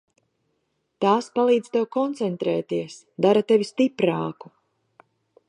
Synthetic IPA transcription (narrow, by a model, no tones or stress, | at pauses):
t̪aːspalˠiːd̪z̥ʲt̪ewkɔnt̪sɛnt̪ɾɛːt̪iɛs | d̪aɾat̪evʲist̪ipɾaːku̥